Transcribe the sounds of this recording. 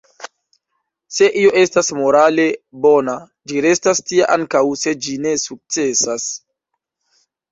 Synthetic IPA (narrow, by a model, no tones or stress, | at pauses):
se̞ʔio̞ʔe̞stasmo̞ɾale̞bo̞na | d͡ʒiɾe̞stastiaʔaŋkawse̞d͡ʒine̞suk̚t͡se̞sas